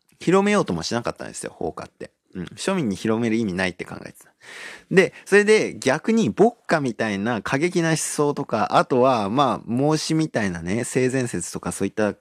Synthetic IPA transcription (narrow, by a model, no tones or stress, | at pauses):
çiɾo̞me̞jo̞ːt̪o̞moɕinaka̰t̪ːã̰nd̪e̞sɨjo̞̰ho̞̰ːka̰t̪ːe̞̰ | ɯ̟̃ɴɕo̞mʲĩɲ̟ːiçiɾo̞me̞ɾɯ̟imʲinait̪ːe̞̥kã̰ŋɡa̰et̪e̥t̪ãd̪e̞so̞ɾe̞d̪e̞ɡʲakɯ̟ɲ̟ibo̞kːamʲit̪ainakʰaɡe̞kʲinaɕi̥so̞ːt̪o̞kaʔat̪o̞βamaːmo̞ːɕimʲit̪ainane̞se̞ːzẽ̞ɰ̃se̞t͡sɨ̥t̪o̞kaso̞ːit̪ːa